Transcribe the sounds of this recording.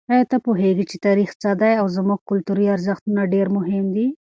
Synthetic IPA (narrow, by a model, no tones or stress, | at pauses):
ajat̪apoɦeɡit͡ʃet̪aɾixt͡sad̪ajawzəmuɡ̚kʊlt̪uɾiaɾzɪxt̪unaɖeɾmʊɦɪmd̪i